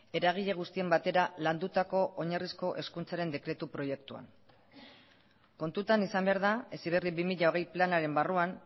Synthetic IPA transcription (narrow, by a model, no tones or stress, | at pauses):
e̞ɾaɣ̞iʎe̞ɣ̞ust̪ie̞mbat̪e̞ɾaland̪ut̪ako̞ʔoɲarisko̞ʔe̞skunt͡saɾe̞nd̪e̞kɾe̞t̪upɾo̞je̞kt̪ua̰n | ko̞nt̪ut̪anisambeaɾðae̞siβe̞riβimiʎaoɣ̞e̞jplanaɾe̞mbaruan